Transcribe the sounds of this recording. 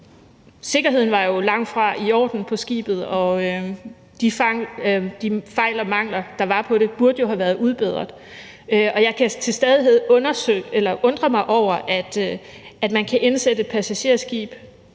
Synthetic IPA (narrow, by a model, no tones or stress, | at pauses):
se̝ɡ̥ɐɦe̝ð̞̰ˠn̩ʋɑ̈jo̝lɑ̈ŋ̰̥fʁɑ̈iɒ̰ːd̥n̩pʰɒ̽sɡ̥ḭːb̥ð̞̩ˠɒ̽ø | d̥ifɑŋd̥ifɑ̈ɪlɒmɑ̈ŋ̰lɐd̥ɑ̈ʋɑ̈pʰɒ̽ɾe̝b̥uɐd̥əjo̝ɦæʋæːɐð̞ˠuð̞ˠb̥e̝ð̞ˠɐðˠ | øɒ̽jɑ̈ɪkʰæt͡sʰe̝lsd̥eð̞ˠiɦeðˠɔ̽nɐsøɡ̥elɐʔɔ̽nd̥ʁɐmɑ̈ɪʔɒʊ̰ɐʔæd̥æd̥mænkʰæʔe̝nsed̥əe̝d̥̚pʰæsæɕe̝̰ɐ̰sɡ̥ḭːb̥